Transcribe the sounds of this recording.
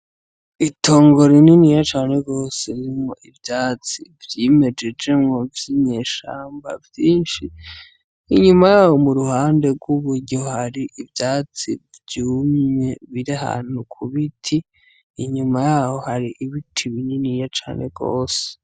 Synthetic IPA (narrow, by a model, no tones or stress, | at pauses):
ito̞ːŋɡo̞ɾininijat͡ʃaːne̞ɡo̞ːse̞βiɾimŋoʔivjaːt͡sivjeme̞d͡ʒe̞d͡ʒe̞mŋo̞vjiɲeːʃa̰ːmba̰vjiːnʃiː | ɲumajaːwo̞muɾuhaːnde̞ɡwuβuɾɟo̞haɾiʔivjaːt͡sḭvjuːmɲe̞βiɾiɦa̰ːn̥hukʰuβitʰiː | ɲumajaːwo̞haɾiʔiβitʰiβininijat͡ʃa̰ːne̞ɡ̥o̰ːse̥